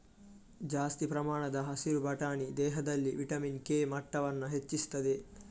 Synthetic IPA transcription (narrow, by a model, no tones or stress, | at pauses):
d͡ʒaːst̪ipɾɐmaːɳɐd̪ɐɦɐsiɾubʱɐʈaːɳid̪ɛːɦɐd̪ɐlːiʋiʈɐminkeːmɐʈːɐʋɐnːɐɦet͡ʃːist̪ɐd̪e